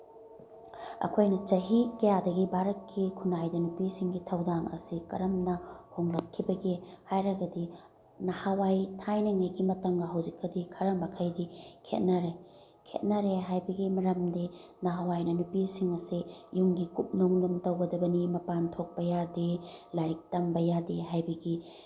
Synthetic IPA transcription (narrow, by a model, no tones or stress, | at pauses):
ɐ̰kʰojnɐt͡ʃɐɦikɐjadɐɡibaɾɐkʰːikʰunajdɐnupisiŋɡitʰɐwdaŋɐ̰sikɐɾɐmnɐhoŋlɐkʰːibɐɡihajɾɐɡɐdi | nɐhawajtʰajnɐŋɐjɡimɐtɐŋɡɐɦɐwzikːɐdikʰɐɾɐmɐkʰɐjdikʰḛt̚nɐɾe | kʰḛt̚nɐɾeɦajbɐɡimɐɾɐmdinɐɦawajnɐnupisiŋɐsijuŋɡikup̚noŋlumtɐwɡɐdɐbɐnimɐpantʰok̚pɐjadelaɾik̚tɐmbɐjadeɦajbɐɡi